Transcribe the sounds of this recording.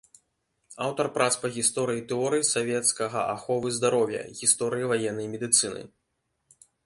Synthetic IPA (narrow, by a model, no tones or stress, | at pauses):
awt̪ɐrpɾat̪spɐɣʲist̪ɔɾɨjit̪ɛɔɾɨjisavʲɛt̪skɐɣɐ̰ʔaxɔvɨzd̪aɾɔwʲjɐ̰ɣʲist̪ɔɾɨjivajɛnːɐjmʲɛd̪ɨt̪sɨnɨ̰